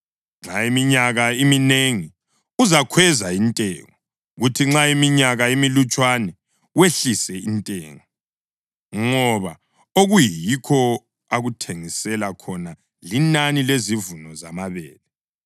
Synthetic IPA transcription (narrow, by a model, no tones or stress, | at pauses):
ŋ͡ǁaimiɲaɣaimineŋi | uzakʰwɛzaintʼɛ̰ŋɔ | ɣutʰiŋ͡ǁaimiɲaɣaimilut͡ʃʼwanɛ | weɬisɛintʼɛ̰ːŋɔ | ŋɔβa | oɣujikʰɔ | aɣutʰeŋisɛlakʰɔna | linanilezivunɔzamaβɛːlɛ